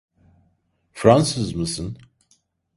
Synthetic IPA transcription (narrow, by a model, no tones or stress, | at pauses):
fɾansɨzmɯsɯn